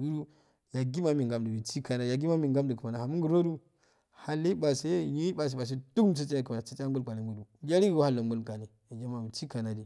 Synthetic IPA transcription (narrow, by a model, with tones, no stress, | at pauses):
wu˦du˦ | ja˨ɡi˦ma˦mi˨ŋɡa˨mdə˨mi˨ti˦ka˨na˨ja˨ɡi˦ma˦mi˨ŋɡa˦mdə˨kə˨ma˨na˨a˨mu˦ŋɡu˨ɾno˦du˦ | ha˨lːi˦ɓa˨se˦˨ji˦ba˨s̬e˨ɓa˨s̬e˦tu˦km˦t͡sa˦t͡ʃa˦ka˨a˨sa˦t͡ʃa˦ŋ˦ɡu˦lka˨ne˨mu˨du˨˦d͡ʒa˦ɾi˦ɡha˦lːo˨ŋɡu˦lka˨ni˨ja˨d͡ʒa˦ma˨mi˨t͡ʃi˦ka˨na˨di˨